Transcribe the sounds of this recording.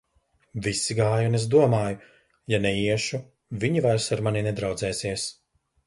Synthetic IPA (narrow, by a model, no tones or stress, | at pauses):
visiɡaːjunez̬d̪uɔmaːju | janɛiɛʃu | viɲivajɾsaɾmaninɛd̪ɾawd̪zɛːsiɛs